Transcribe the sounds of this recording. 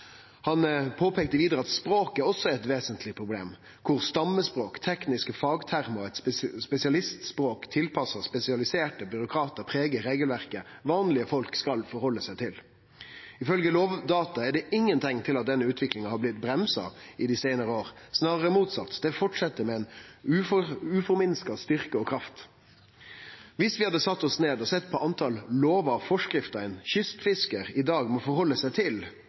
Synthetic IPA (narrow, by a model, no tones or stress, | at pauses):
hɑnpʰoːpʰeːkt̪əʋiːd̪əʁəɑt̪spɾoːkæɾɔsːɔɛɾɛt̪ʋeːsənt̪ʰlɪpʰʁʊblḛːm | kʰʊʁst̪ɑmːəspʁoːkt̪ʰɛknɪskəfɑːɡt̪ʰæʁmʊɛt̪spɛsɪɑlɪst̪spʁoːkt̪ʰɪlpʰɑsːəspɛsɪɑlɪseːʈəbʏɾʊkʰɾɑːt̪əɾpʰɾeːɡəɾeːɡəlʋæʁkə | ʋɑːnlɪəfɔlkskɑlfɔɾhɔlːəsæɪt̪ʰɪl | ɪfœlɡəloːʋd̪ɑːt̪ɑɛɖɛɪŋːənt̪ʰɪŋːt̪ʰɪlɑt̪̚d̪ɛnːəʉːt̪ʰʋɪklɪŋɑhɑɾblɪt̪̚bɾɛmsɑ̰ɪd̪ɪsæɪnəɾəoːɾsnɑːʁəɾəmuːt̪sɑt̪ːd̪ɛfɔʈʂɛt̪ːəɾmɛɛɪnʉʉːfɔɾmɪnskɑst̪ʏʁkəɔkʰɾɑft̪ | ʋɪsʋɪhɑd̪əsɑt̪ːɔsneːd̪ɔsɛt̪ːpʰɔʔɑnt̪ʰɑlːoːʋɑfɔʂkɾɪft̪əənçʏst̪fɪskəɾɪd̪ɑːɡmɔfɔɾhɔlːəsæɪt̪ʰɪl